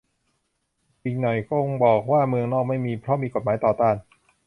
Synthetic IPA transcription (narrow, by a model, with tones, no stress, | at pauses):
wi˧˩ŋnɔ˨˩jko˧˥˩bɔː˨˩k̚waː˥˩mɯ˧əŋnɔː˥˩k̚ma˥˩jmiː˧pʰɾɔ˦˥miː˧ko˨˩t̪̚maː˩˦jt̪ɔː˨˩t̪aː˥˩n